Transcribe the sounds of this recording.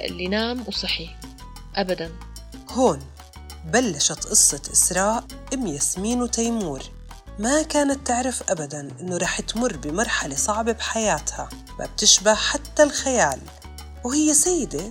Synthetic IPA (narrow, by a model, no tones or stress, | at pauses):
ʔɪ̰lːinaːmwsˤɨħi | ʔabad̪an | hoːn | balːaʃat̪ʔɨsˤːɑt̪ʔɪsɾˤɑːʔ | ʔɪmjasmiːnwt̪ajmuːɾ | makaːnat̪ːɪʕɾafʔabad̪anʔɪnːoɾˤɑːħt̪mʊrˤːbɪmɑɾˤħalesˤɑʕbebħajaːt̪ha | mʔa̰b̚t̪ɪʃbahħat̪ːalxajaːl | whɪjːesajːɪd̪e